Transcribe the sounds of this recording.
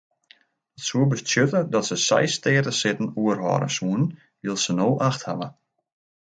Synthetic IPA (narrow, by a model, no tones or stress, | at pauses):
ətsuəbəstjøtədɔtsəsɛ̰jstɪːtəsɪtən̩uərɦɔ̰ːɾə̰suənn | ʋɪlˠsənoːʔaxtha̰lə